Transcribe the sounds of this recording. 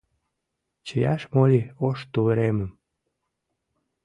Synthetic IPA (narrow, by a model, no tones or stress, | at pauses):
t͡ɕəjɑʃmolʲioʃt̪uβəɾeməm